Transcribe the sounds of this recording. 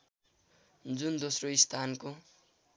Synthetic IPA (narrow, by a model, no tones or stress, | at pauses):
d͡zund̪osroist̪ʰanko